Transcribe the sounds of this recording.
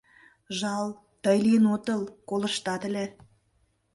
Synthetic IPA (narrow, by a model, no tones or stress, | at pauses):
ʒɑlˠ | t̪əjlʲenot̪ə̆lˠkolə̆ʃt̪ɑt̪ə̆lʲĕ